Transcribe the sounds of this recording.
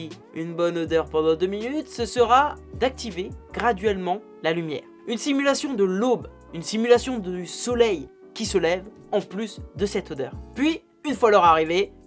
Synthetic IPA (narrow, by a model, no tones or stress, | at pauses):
i | ynbɔnod̪œʁpɑ̃d̪ɑ̃d̪øminyt̪səsəʁad̪ak̚t̪iveɡʁad̪ɥɛlmɑ̃ | lalymjɛ̰ːʁ | ynsimylasjɔ̃d̪əlob | ynsimylasjɔ̃d̪əsɔlɛj | kʲisəlɛv | ɑ̃plysd̪əsɛt̪od̪œːʁpɥi | ynfwalœʁaʁive